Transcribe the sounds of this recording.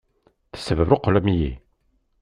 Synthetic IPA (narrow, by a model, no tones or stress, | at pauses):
θə̥sːəvəɾuqːlæmijḭ